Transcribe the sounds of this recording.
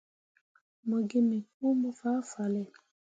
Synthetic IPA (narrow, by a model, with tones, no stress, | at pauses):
mɔ˨ɡe˦mĩ˨ku˦mɔ˦fa˦fa˨lɛ˦˨